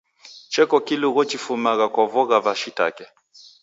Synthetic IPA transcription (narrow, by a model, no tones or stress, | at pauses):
t͡ʃɛkɔkiluɣɔt͡ʃifumaɣakɔvɔɣaβaʃita̰kɛ